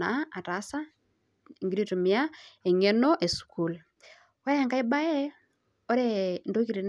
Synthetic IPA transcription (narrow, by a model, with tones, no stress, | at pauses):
a˨a˨ta˨˦sa˦ | i˨ŋɡiɾi˦tu˨mia˦e˨ɲe˦no˦ʔe˨su̥ku˨l | wa˦ja˨ŋka˦i˦ba˦jɛ˦ | o˦ɾe˦ndo˦ki˨ɾi˨n